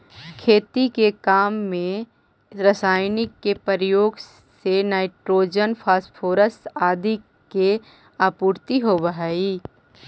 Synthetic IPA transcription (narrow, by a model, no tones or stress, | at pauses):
kʰeːt̪ikekaːmːẽ | ɾəsaːjnɪkːepəɾjoːɡ | senaːɪʈɾoːd͡ʒənpʰaːsʈpʰoːɾəsaːd̪ʱi | ke | aːpuːɾt̪iɦobəɦaːiː